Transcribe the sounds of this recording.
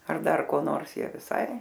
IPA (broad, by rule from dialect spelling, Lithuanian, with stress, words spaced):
ɐr ˈdɐr koː ˈnoːrs ˈjiɛ ʋʲɪˈsɐɪ